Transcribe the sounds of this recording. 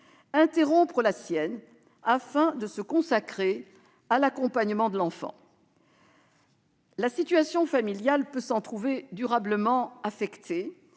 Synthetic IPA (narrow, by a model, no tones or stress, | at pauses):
ɛ̃t̪eʁɔ̃pχəlasjɛn | afɛ̃d̪əsəkɔ̃sakχe | alakɔ̃paɲəmɑ̃d̪əlɑ̃fɑ̰̃ | lasit̪ɥasjɔ̃familjalpøsɑ̃t̪χuved̪yʁabləmɑ̃afɛkt̪ʰe